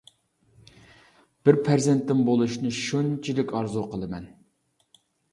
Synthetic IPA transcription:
b̥ɪɾpʰæɾzɪnt̪ːɪŋbolˠuʃnɨʃunt͡ʃʰilɪkʲɑɾzuqʰəlˠɨmɛn

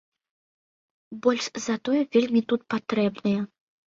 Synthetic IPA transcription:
bɔlʲʂzɐt̪ɔjɛvʲelʲmʲit̪ut̪̚pat̪ɾɛbnɐjɐ

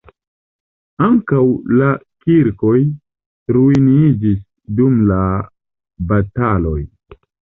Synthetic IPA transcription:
aŋkawlakiɾkoj | ɾuinid͡ʒis | dumla | batalo̞j

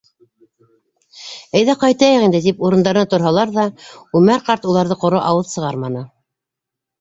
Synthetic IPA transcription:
æjðæqɑjt̪ɑjɤʁind̪ɘt̪ipuɾɤ̆nd̪ɑɾɤ̆nɑt̪ŏɾɦɑlˠɑɾðɑʉmæɾqɑɾt̪ulˠɑɾðɤqŏɾoʔɑwɤðsɤ̆ʁɑɾmɑnɤ

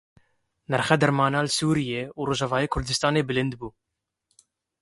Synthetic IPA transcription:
nɛɾxɛd̪ɛɾmɑːnaːlsuːɾijeːuɾoːʒɑvɑːjeːkʰʊɾd̪ɨst̪ɑːneːbɨlɪnd̪buː

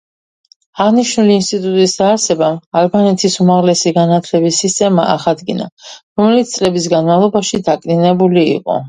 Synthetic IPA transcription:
aʁniʃnuliːnst̪ʼit̪ʼut̪ʼisd̪aːɾsɛbamalbanɛt̪ʰisumaʁlɛsiɡanat̪ʰlɛbisːist̪ʼɛma̰ʔa̰χad̪ɡina̰ɾɔmɛlit̪st̪sʼlɛbis̬ɡanmavlˠɔbaʃid̪akʼninɛbulḭːqʼɔ̰

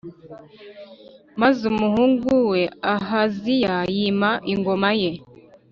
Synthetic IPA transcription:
mazumuhuːŋɡuwe̞aɦazijajimaʔiŋɡo̞maje̞

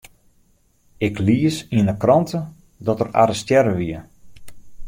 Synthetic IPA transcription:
ɪkliəsiənəkrɔntə | dɔtəra̰ɾəstjɛɾəʋiə

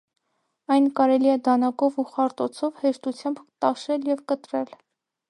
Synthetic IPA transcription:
ɑjnkɑɾɛliɛd̪ɑnɑkɔvuχɑɾt̪ɔt͡sʰɔvhɛʃt̪ut͡sʰjɑmbt̪ɑʃɛljɛvkət̪ɾɛl

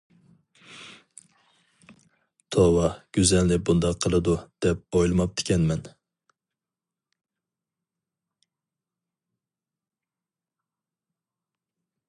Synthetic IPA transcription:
t̪ʰowɑɡ̥ʲyzɛnlɪbund̪ɑqʰːəlˠɨd̪ud̪̥ɛp̚ojlˠɨmɑp̚t̪ʰɪ̥kʲɛnmɛn

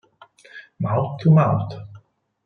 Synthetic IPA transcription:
maʊtʰːəmãʊt

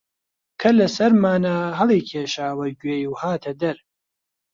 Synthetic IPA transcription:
kʰɐlɐsɐɾmaːnaːɦɐlˠiːkʰeːʃaːwɐɟweːjuːhaːt̪ʰɐd̪ɐɾ

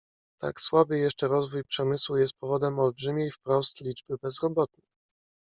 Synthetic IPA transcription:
t̪a̰kswabɘjɛʂt͡ʂɛɾɔzvujpʂɛmɘswujɛst̪̚pɔvɔd̪ɛmɔlbʐɘmʲejfpɾɔst̪lʲid͡ʐbɘbɛzɾɔbɔt̪̚nə

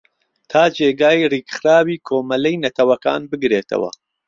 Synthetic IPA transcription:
t̪ʰaːd͡ʒeːɡaːjriːkχɾaːwiːkʰoːmɐlɛjnɐt̪ʰɐwɐka̰ːnbɨɡɾeːt̪ʰɐ̰wɐ̰

